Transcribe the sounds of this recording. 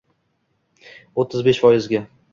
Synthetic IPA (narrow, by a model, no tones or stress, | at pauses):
ot̪ʰːɪzbeʃfɒjɪzɡʲa